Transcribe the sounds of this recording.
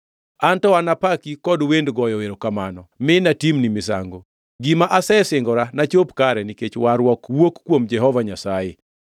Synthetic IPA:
antɔanapakikɔdwendɡɔjɔweɾokamanɔmɪnatimnimɪs̬a̰ŋɡo | ɡimaʔasɛsɪŋɡɔɾanat͡ʃopkaɾɛniket͡ʃwaɾwɔkwokkːwomd͡ʒɛɦɔvaɲasajɪ̰

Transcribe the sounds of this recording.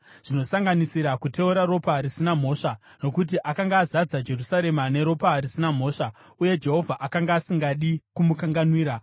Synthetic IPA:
ʐ̥ino̞saŋɡanisiɾakute̞uɾaɾo̞paɾisinam̤o̞ːʂa | no̞kut̬iʔakaŋɡaːzad͡zad͡ʒe̞rusaɾe̞mane̞ɾo̞parisinam̤o̞ːʂa | uje̞d͡ʒe̞ɦo̞vʱaʔakaŋɡaːsiŋɡaɗikumukaŋɡanwiːɾa

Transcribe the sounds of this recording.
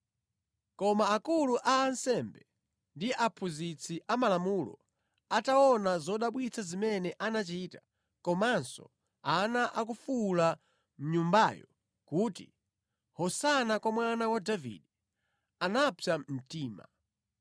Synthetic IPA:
kɔmaːkuluʔaːnsɛmbɛ | ndiʔapʰuzit͡sʰiʔamalamulɔ̰ | ataɔnazɔɗaɓwit͡sʰazimɛnɛʔanat͡ʃiːta | kɔmansɔ̰ | anaʔak̬ufula | m̩ɲumbaːjɔ | kuːtḭ | hɔsanakwamwanawadavḭɗɛ | anapʰjam̩tiːma̰

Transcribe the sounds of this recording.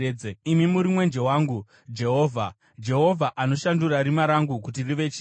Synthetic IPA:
d͡zeimimuɾimwe̞nd͡ʒe̞waːŋɡu | d͡ʒe̞ɦo̞ːvʱa | d͡ʒe̞ɦo̞vʱaʔano̞ʃanduɾaɾimaɾaŋɡukutiriʋe̞t͡ʃː

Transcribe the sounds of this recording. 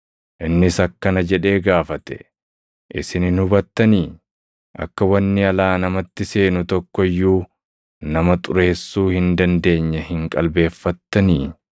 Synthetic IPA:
ʔɪnːɪsɐkːɐnɐd͡ʒɛᶑe̞ːɡaːfɐt̪ɛ̥ | ʔɪ̰sɪnɪnhʊbɐt̪ːɐniː | ʔɐ̰kːɐwɐnːɪɐlaːnɐmɐt̪ːɪse̞ːnʊt̪ɔkːɔjːuː | nɐmɐt̪ʼʊɾe̞ːsːuːhɪnd̪ɐnd̪e̞ːɲːɛhɪŋkʼɐlbe̞ːfːɐt̪ːɐniː

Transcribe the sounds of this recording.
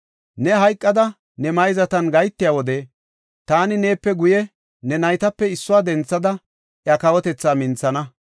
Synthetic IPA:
nɛɦɐjkʼːɐd̪ɐ | nɛmɐjzɐt̪ɐnɡɐjt̪ːɪjaːwɔd̪ɛ | t̪aːnɪne̞ːpːɛɡʊjɛ | nɛnɐjt̪ɐpːɛɪsːʊwaːd̪ɛnt͡sːɐd̪ɐ | ʔjɐkɐwɔt̪ɛt͡sːaːmɪnt͡sːɐnɐ

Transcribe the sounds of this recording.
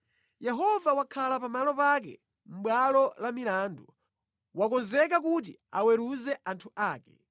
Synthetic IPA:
jɛɦɔvawakʰalapamalɔpakɛ̰ | m̩ɓwalɔlamilaːndu | wakɔnzɛk̬akut̬iawɛɾuzɛʔantʰuʔaːkɛ̥

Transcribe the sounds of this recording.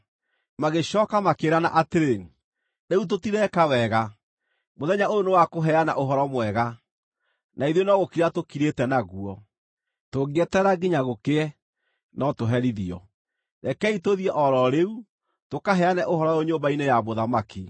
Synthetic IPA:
maɣeɕɔːkamakeɾana̰ʔateɾe | neut̬otiɾɛkawɛɣa | moðɛɲaojonewakoɦɛana̰ʔoɦɔɾɔmwɛɣa | naiðonɔɣokiɾatokiɾetɛnaɣuɔ | toɡeɛtɛɾaɡiɲaɣokeɛ | nɔtoɦɛɾiðiɔ | ɾɛkɛitoðiɛʔɔɾɔɾeu | tokaɦɛanɛʔohɔɾɔjoɲoːmbainejamoðamaki

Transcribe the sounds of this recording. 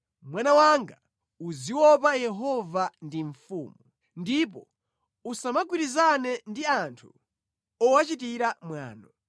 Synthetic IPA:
mwanawaŋɡa | uziwɔpajɛɦɔvandiɱfṵːmu | ndipɔ | usamaɡ̬wiɾizanɛndiantʰu | ɔwat͡ʃit̬iɾamwa̰ːnɔ

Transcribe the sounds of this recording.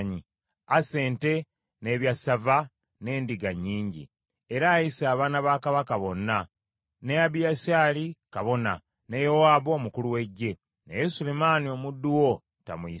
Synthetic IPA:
ɲi | ase̞ːnte̞ | ne̞ːβjasava | ne̞ːndiɡaɲːiːɲɟḭ | eɾaːjisaːβaːnaβaːkaβakaβo̞nːa | nejaβijasaːlikaβo̞na̰ | nejowaːβo̞ːmukuluwe̞ɟːe̞ | nejesulemaːnio̞mudːuwo | ta̰mui

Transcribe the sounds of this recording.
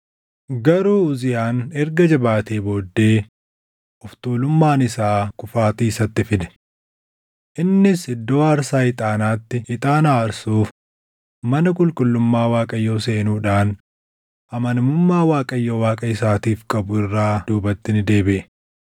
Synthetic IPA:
ɡɐɾuːʊzɪjaːnɛɾɡɐd͡ʒɐbaːt̪eːbo̞ːd̪ːe̞ː | ʔʊft̪uːlʊmːaːnɪsaːkʊfaːt̪iːsɐt̪ːɪfɪd̪ɛ̥ | ʔɪnːɪsɪd̪ːo̞ːɐɾsaːɪt̪ʼaːnaːt̪ːɪɪt̪ʼaːnaːɐɾsuːf | mɐnɐkʼʊlkʼʊlːʊmːaːwaːkʼɐjːo̞ːse̞ːnuːᶑaːn | ʔɐmɐnmʊmːaːwaːkʼɐjːo̞ːwaːkʼɐɪsaːt̪iːfkʼɐbʊɪrːaːd̪̥uːbɐt̪ːɪnɪd̪e̞ːbɪʔɛ

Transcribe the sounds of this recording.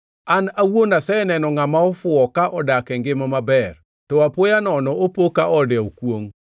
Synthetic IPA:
anawonasɛnɛnɔŋamaɔfʊɔkaʔɔdakɛŋɡɪmamabɛr | tɔapojanɔnɔopokaʔɔdɛokwoŋ

